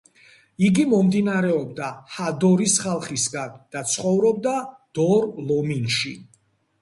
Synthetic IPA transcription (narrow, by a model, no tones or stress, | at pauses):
iɡimɔmd̪inaɾɛɔb̚d̪ahad̪ɔɾisχalˠχisɡand̪̥at̪sʰχɔvɾɔb̚d̪ad̪̥ɔɾlɔminʃi